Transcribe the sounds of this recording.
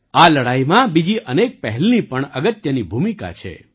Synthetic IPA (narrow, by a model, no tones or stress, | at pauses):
aləɽaimãbid͡ʒiənek̚pɛɦɛlnipəɳəɡət̪jənibʱumika̰t͡ʃʰḛ